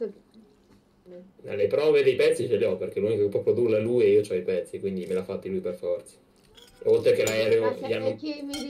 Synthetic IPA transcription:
na̰lepɾɔːved̪ejpɛt̪sːit͡ʃeleɔpːerk̟elunikokepːɾɔpɾod̪urlaluːjɛiːot͡ʃɔipɛt̪sːikwind̪imelafːat̪ːilujperfɔrt̪sḁ | olt̪ɾekelaɛleʎianːo

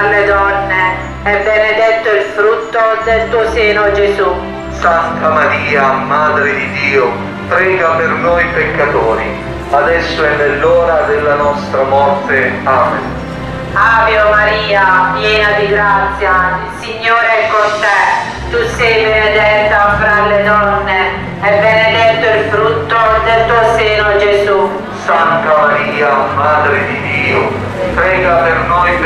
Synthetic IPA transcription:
alːed̪ɔnːe | ɛbːened̪ɛt̪ːoilfɾut̪ːod̪elt̪uːoseːnod͡ʒesu | sant̪amaɾiːamaːd̪ɾɪd̪id̪iːo | pɾɛːɡapernojpekːat̪oːɾi | ad̪ɛsːoɛnːelːɔːɾad̪elːanɔst̪ɾamɔrt̪eaːmḛ | aːveomaɾiːapjɛːnad̪iɡɾat̪sːjailsiɲːoːɾeɛkːont̪ɛ | t̪usɛjvened̪ɛt̪ːafɾalːed̪ɔnːe | ɛbːened̪ɛt̪ːoilfɾut̪ːod̪elt̪uoseːnod͡ʒezu | sant̪amaɾiːamaːd̪ɾed̪id̪iːo | pɾɛːɡapernojp

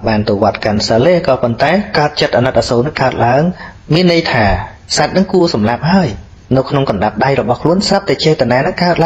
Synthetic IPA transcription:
ɓaːnt̪oːʋŏət̪̚kansaːleːkɑːpont̪aɛkaət̪̚t͡ɕət̪̚ʔanat̪̚ʔaːsoːnɨŋkaət̪̚laəŋmiənːɨjt̪ʰaː | sat̪̚nɨŋkuəsɑmlap̚haəj | nɨwkʰnoŋkɑnɗap̚ɗajrɔɓɑhkʰluənsrap̚t̪aɛt͡ɕɛːt̪anaːnɨŋkaət̪la

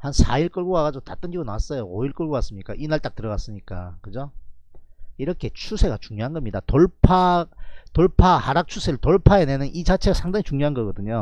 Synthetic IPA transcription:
hansʰaiɭk͈ʌɭɡoaɣad͡ʑootat͈ɯnɡiɡonawas͈ʌjooiɭk͈ʌɭɡoɡas͈ɯmɲik͈aʔinaɭt͈ak̚t͈ɯɾʌɡas͈ɯmɲik͈a̰kɯd͡ʑo | iɾʌkʰe̞t͡ɕʰusʰe̞ɡat͡ɕuŋɲoɦanɡʌmɲidatoɭpʰatoɭpʰahaɾak̚t͡ɕʰusʰe̞ɾɯɭtoɭpʰaenenɯnʔit͡ɕat͡ɕʰe̞ɡasʰaŋdaŋit͡ɕuŋɲjoɦanɡʌɡʌdɯɲo

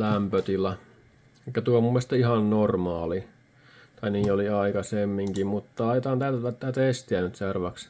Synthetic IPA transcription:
læmpøt̪ilːˑæ | eikːæt̪uomumːest̪ɑihɑnnormɑːli | t̪ɑiniːoliɑikɑsemːiŋkimmut̪ːɑɑiet̪ɑːnt̪ælt̪ætæt̪ːæːt̪est̪iænyt̪serʋɑks

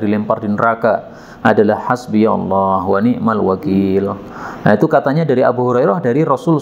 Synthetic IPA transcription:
dilɛmpardinəɾaka | ʔadalahhasbijaɔ̰lːɔhwaniʔmalwakil | nait̪ukat̪aɲadaɾiʔabuɦuɾajɾɔhdaɾiɾɔsʊl

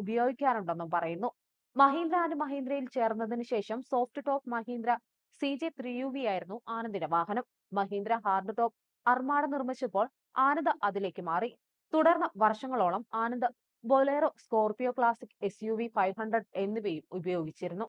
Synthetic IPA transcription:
ubɐjo̞ːɡikʲːaːnuɳɖe̞nːumpɐrɐjunːu | mɐɦiːnd̪ɾaːnɨmɐɦiːnd̪ɾɐjilt͡ɕe̞ːrunːɐðinɨɕe̞ːʂɐmso̞ːfʈɨʈo̞ːp̚mɐɦiːnd̪ɾɐ | sid͡ʑet̪riːjuːʋijaːjiɾunːuʔaːnɐnd̪ineʋaːɦɐnɐmːɐɦiːnd̪ɾɐɦaːrɖɨʈo̞ːp̚ | ɐrmaːɽɐnirmit͡ɕːɐpːo̞ːɭ | aːnɐnd̪ɐʔɐðile̞ːkːɨmaːri | t̪uɽɐrnːɐʋɐrʂɐŋːɐɭo̞ːɭɐmaːnɐnd̪ɐ | bo̞leːrosko̞ːrpijoːkɭaːsikːe̞sjuːʋifɐjʋɦɐɳɖrɐɖe̞nːiʋejumubɐjo̞ːɡit͡ɕːiɾunːu

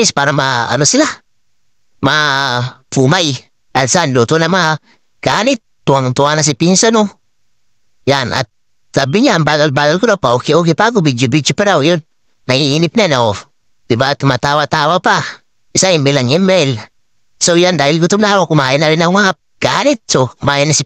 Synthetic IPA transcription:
ispaɾamaa̰nosila | mafumaji | alsanlotonama | ɡ̥ani | tantuwanas̬ipinsano | jana̰ | tabiɲanbabalalkunopaukeokipak̬ubid͡ʒibit͡ʃipeɾawujon | najijinipnenawo | tibatumatawatawapa | isajimelaŋemel | sojandajilkutumdawokumajinaɾinaŋa | ɡ̥anit̚somajenasi

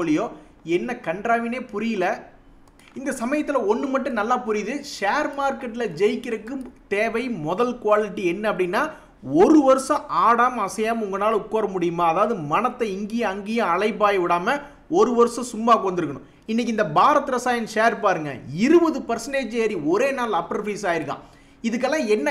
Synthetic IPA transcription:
olɪjoː | ɛnːɐkɐɳɖɾaːʋɪneːpʊɾɪjɪlɐ | ɪnd̪ɐsɐmɐjɐt̪ːɪlɐɔnːɯmɐʈːɯ̃nɐlːaːpʊɾɪðɯʂeːɾmaːɾkɐʈːɪlɐd͡ʒɛjkːɪɾɐkːɯmt̪eːʋɐɪmɔðɐlkʊʋaːlɪʈːiɛnːɐɐp̬ːɐɽɪnːaː | ɔɾɯʋɐɾɯsɐ̃ʔaːɽaːmɐɐsɐjaːmʊŋɡɐnaːlʊkːoːɾɐmʊɽɪjɯmaːɐðaːʋɐðɯmɐnɐt̪ːɐɪŋɡɪjɐɐŋɡɪjɐ̃ɐɭɐɪp̬ːaːjɐʋɪɽaːmɐ | ɔɾɯʋɐɾɯsɐ̃sʊmːaːkɯʋɐnd̪ɪɾɯkːɐɳʊ̰̃ | ɪnːɛk̬ːɪnd̪ɐbaːɾɐt̪ːɯɾɐsaːjɐnʂeːɾpaːɾɯŋɡɐ̰ɪɾɯbɐðɯpɐɾsɐneːd͡ʒeːɾiɔɾeːnaːlɐpːɐɾfɐɪsaːjɪɾɯkːã̰ː | ɪðɯk̬ːɛlːãːɛnːɐ

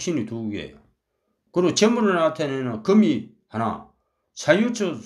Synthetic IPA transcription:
ɕʰinit̪uɡḛjo̰ | kɯɾot͡ɕemunɯɾat̪ʰenenakɯmi | hana̰ | sʰajut͡sʰɯ

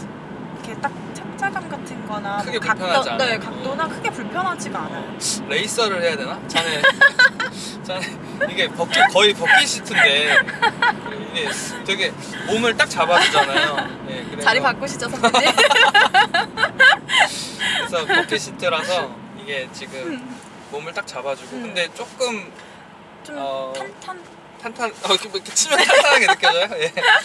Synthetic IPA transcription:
ikʰet͈ak̚t͡ɕak̚t͡ɕ͈aɭɡanɡatʰɯnɡʌnakʰɯɡe̞puapʰjʌnaʌd͡ʑnekak̚t͈onɯkʰɯɡe̞puɭpʰjʌnɦad͡ʑiman̰ | ɾe̞is͈ʌɾɯɭhe̞jadenat͡ɕane | t͡ɕane | iɡe̞pʌk͈ikʌipʌkk͈iɕʰitʰɯnde̞ | iɡe | tʰekʰe | momɯɭt͈ak̚t͡ɕabaid͡ʑanajoje̞kɯɾeaɾipak͈oɕʰip̚t͡ɕ͈ʰʌsʰʌ | ɯsʰʌpʌk͈iɕʰit͈ʰeɾasʰʌiɡe̞t͡ɕiɡɯmː | omɯɭt͈ak̚t͡ɕ͈abad͡ʑuɡokɯnde̞t͡ɕ͈ok͈ɯm | ʌtʰn | tʰantʰanʌkmik͈et͡ɕʰimʌŋtʰantʰanaɡeɯk͈et͡ɕajoje̞

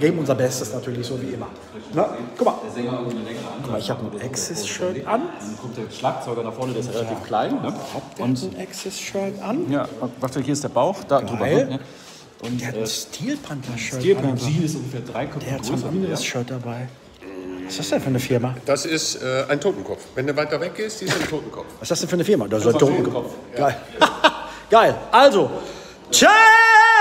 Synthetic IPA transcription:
ɡeːbm̩ʊnzɐbɛstəsnatʰyːɐlɪçz̥oːviːʔɪmɐ | nəkʰʊmad̥eːɐzɛnəlɛŋəəanʰʊmaɪçhaːbnʔɛksɛsʃœɐʔanankʰɔmtd̥eɐʃlaːk̚t͡sɔʏɡɐnaχfɔɐnədeːɐɪsjaʁelatʰiːfkʰl̥aɪnːə̥ʊnnʔɛksɛsʃœɐtʔanjaːavastuːhiːɐɪsd̥eːɐbaʊxd̥adʁyːbɐɪnə | ʔʊntd̥eːhatɛnːstʰiːlpʰantɐʃœiːanɐiːɪstʊŋɡəfeːɐdʁaɪkʰɔd̥eːɐhatɡʁoːnsʃœt̚d̥abaɪ | vasd̥astdɛnfyːɐnəfɪɐmad̥asɪstɛːʔaɪntʰoːtn̩kʰɔpfvɛnduːvaɪtɐvɛk̚ɡ̥eːstz̥iːsantʰoːtn̩kʰɔ̰p͡fvasd̥asd̥ɛnfyɐnəfɪɐmadeztʰoːtn̩kkɔfɡ̥aɪ | ɡ̥aɪlʔalzo | t͡ʃa

